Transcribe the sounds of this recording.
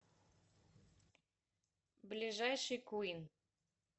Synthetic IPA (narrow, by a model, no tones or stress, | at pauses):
blʲiʒajʃɨjkuin